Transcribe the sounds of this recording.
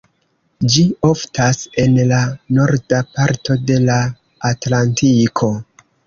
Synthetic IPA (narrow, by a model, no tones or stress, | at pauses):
d͡ʒio̞ftase̞nlano̞ɾdapaɾto̞de̞laː | tlantikʰo̞